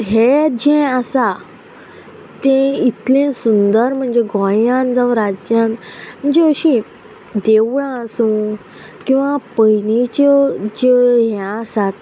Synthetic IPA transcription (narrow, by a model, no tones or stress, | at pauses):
ɦed͡ʑẽəsa | t̪ẽit̪lẽsund̪əɾm̤əɳd͡zeɡɔ̃jãnd͡zaʋɾad͡ʑjãnm̤əɳd͡zeəɕi | d̪eʋɭãsũ | kĩw̃ʋapəjnit͡ɕəd͡ʑəɦãəsat̪